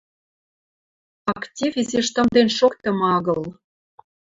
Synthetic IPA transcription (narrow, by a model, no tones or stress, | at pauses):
ɑktʲivʲizeʃt̪ə̆md̪enʃokt̪ɤ̆mɑɣɤ̆l